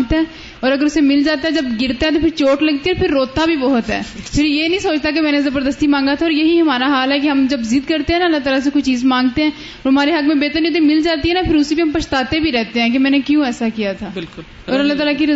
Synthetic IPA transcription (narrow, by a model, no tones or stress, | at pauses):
ɡt̪aɦɛ̃ː | ɔːɾɐɡəɾʊsemɪld͡ʒaːt̪aɦɛ̃d͡ʒɐbɡɪɾt̪eɦɛ̃t̪̬oːpʰɪɾt͡ʃoːʈləɡ̚t̪iɔːɾpʰɪɾːoːt̪abʱibɔːɦʊt̪ɦɛ̰ːpʰɪɾjeːnɐɦĩsoːt͡ʃt̪akemɛ̃ːnezɐbəɾd̪əst̪imãːŋɡat̪ʰaɔːɾjɐɦiɦɐmaːɾaɦaːlɦɛkeɦɐmd͡ʒɐbzɪd̪kəɾt̪eɦɛ̃ːnaəlːaːt̪aːlas̬ekʊt͡ʃt͡ʃiːzmãːŋɡt̪eɦɛ̃ː | ɔɾɦɐmaːɾeɦɐkmẽbeːt̪əɾniot̪̬ẽmɪld͡ʒaːt̪iɦɛnapʰɪɾʊsibiɦɐmpɐʃt̪aːt̪ebʱiɾɛɦt̪eɦɛ̃ːk̬emɛ̃ːnekjõːɛːsakijat̪ʰaːbɪlkʊ | ɔːɾɐlːaːt̪aːlakiɾ